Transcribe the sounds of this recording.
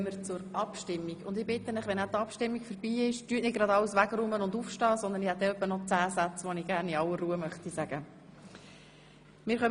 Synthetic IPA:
məɾt͡sʊɾɑpʃtɪmːiɡʊnd̪ɪbɪt̪ənɪχʋɛnæt̪ɑpʃtɪmːiɡ̥fəɾbiːɪʃtyːətnɪt̚ɡ̥ɾɑd̪ɑwəsʋæɡɾʊmənʊnd̪ufʃtɑːsɔnd̪ənihɛt̪̚d̪ɛœpːənɔt͡sæːsæt͡sʋonɪɡ̥æɾniɑwəruəmœχt̪isæɡə | mɪːɾχœm

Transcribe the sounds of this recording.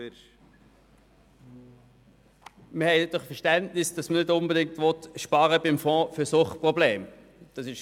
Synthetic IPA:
məhɛɪtdɔχfɛʁʃtɛntnɪsd̥ɑsmənɪdʊnbədɪŋ̚tvɔt̪ʃpɑːɾəbɪmfɔ̃ːføsʊχpʁɔbleːm | d̥ɑsɪʃ

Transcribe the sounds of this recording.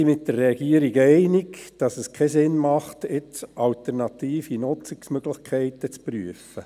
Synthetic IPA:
imɪt̚d̥əɾːeɑɡiəɾiɡɛɪnɪɡd̥ɑsəskʰɛsɪnmɑχtɪt͡sʔɑltɛɾnɑt̪iːfinʊt͡sɪksmøɡ̥ləχkʰɛɪtət͡spryəfə

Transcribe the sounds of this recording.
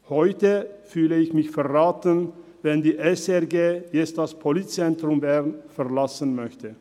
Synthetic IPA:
hɔʏtəfyːləɪçmɪçfɛʁʁaːtən | vɛndiːʔɛsɛɐɡeːjɛt͡sstd̥aspʰolit̚t͡sɛntʁ̥ʊmbɛʁnfɛʁlasən̩mœçtʰə

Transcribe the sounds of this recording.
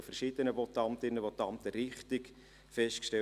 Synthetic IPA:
fɛrʃid̥̪ənəbɔtɑnt̪ɪnːəʋɔtːɑnt̪əɾɪχt̪ɪk | fɛstkʃtɛ

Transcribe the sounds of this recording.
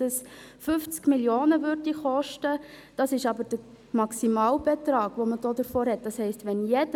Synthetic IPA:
əsfʏft͡skmiljoːnəʋʏɾdiχɔʃtəd̥ɑsɪʃɑbəɾd̥ə | mɑksimɑːlb̥ɛtɾɑːɡ̥ʋoməd̥oːdəɾfɔːɾɦɛt̚d̥ɑshɛɪstʋɛnjɛdə

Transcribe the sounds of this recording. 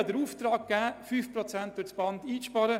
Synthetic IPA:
dəɾuːftraːk̚ɡ̥æːfyfprɔt͡sɛnt̚d̥ʊsb̥ɑntiːt͡sʃpɑɾə

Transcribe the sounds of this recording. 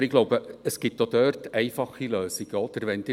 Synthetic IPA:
ɾɪɡ̥loʊbəəsɡ̥ɪt̪ːod̥̪œɾtɛɪfɑχiløːsiɡ̥əɔd̪̥əɾʋɛnd̥̪ɪː

